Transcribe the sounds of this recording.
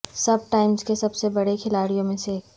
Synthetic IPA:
sɐb̚ʈaːɪmzkesɐbsebɐɽekʰɪlaːɽijõmẽse

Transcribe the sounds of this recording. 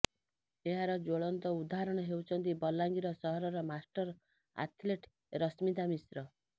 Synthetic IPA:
eɦaɾɔd͡ʒoɭɔnt̪ɔud̪aɾɔɽ̃ɔɦewt͡ʃʰʌnt̪ibʌlːaŋɡiɾɔsʌɦɔɾɔɾɔmasʈʌɾ | a̰t̪ʰleʈ | ɾʌsmid̪amisɾʌ

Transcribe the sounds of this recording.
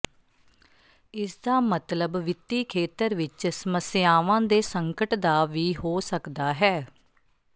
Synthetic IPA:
ɪsd̪aːmət̪ləbʋɪt̪ːiːkʰeːt̪əɾʋɪt͡ʃsəməsɪjaːʋãːd̪eːsəŋkəʈd̪aːʋiːɦoːsəkd̪aːɦɛː

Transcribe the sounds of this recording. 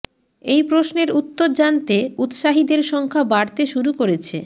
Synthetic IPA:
ejpɾoʃneɾut̪ːoɾd͡ʑant̪eut̪ʃaɦid̪eɾʃɔŋkʰabaɾt̪eʃuɾukoɾet͡ɕʰe

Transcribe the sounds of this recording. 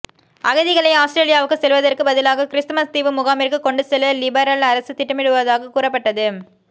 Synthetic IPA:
ʔɐɣɐðɪɣɐɭɐɪaːsʈɾeːlɪjaːʋɯkːɯsɛlʋɐðɐrkɯbɐðɪlaːɣɐkɪɾɪst̪mɐst̪iːʋɯmʊɣaːmɪɾkɯkːɔɳɖɯsɛlːɐlɪbɐɾɐlɐɾɐsɯt̪ɪʈːɐmɪɽɯʋɐðaːɣɐkuːɾɐpːɐʈːɐðɯ

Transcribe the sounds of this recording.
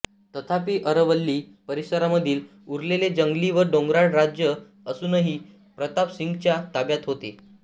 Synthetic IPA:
t̪ət̪ʰapiːʔəɾəʋəlːiːpəɾisəɾaməd̪ʱiːl | uɾleled͡ʑəŋɡliʋəɾɖõŋɡɾaɽɾad͡ʑjə | əsuːnəɦi | pɾət̪apsiŋɡt͡ɕjat̪abjat̪ɦot̪ḛ

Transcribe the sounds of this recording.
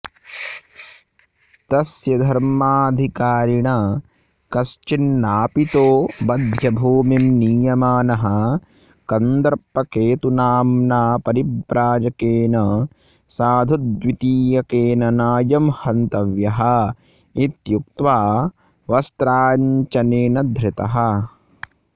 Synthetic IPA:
t̪ɐsjɐd̪ʱɐɾmaːɐd̪ʱikaːɾiɳɐ | kɐst͡ʃinːaːpit̪oːbɐd̪ʱjɐbʱuːmimniːjɐmaːnɐɦɐ | kɐnd̪ɐɾpːɐkeːt̪unaːmnaːpɐɾibɾaːd͡ʒɐkeːnɐ | saːd̪ʱud̪ʋit̪iːjɐkeːnɐnaːjɐmhɐnt̪ɐʋjɐɦɐ̆ | it̪juk̚t̪ʋaː | ʋɐst̪ɾaːɲt͡ʃɐneːnɐd̪ʱɾɪt̪ɐɦɐ

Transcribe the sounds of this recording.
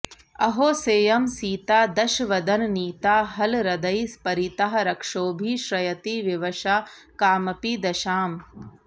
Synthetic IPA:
ɐɦoːseːjɐmsiːt̪aːd̪ɐʃʋɐd̪ɐnniːt̪aːɦɐlɾɐd̪ɐjspɐɾit̪ɐɦɐ̆ɾɐkʂoːbʱiʃɾɐjɐt̪iʋjɐʋɐʃaː | kaːmɐpid̪ɐʃaːm

